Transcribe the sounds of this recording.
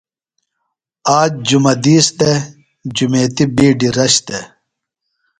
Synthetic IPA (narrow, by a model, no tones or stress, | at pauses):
aːd͡ʑ̚d͡ʑumɐd̪iːsd̪e | d͡ʑumeːt̪ibiːɖiɾɐɕt̪e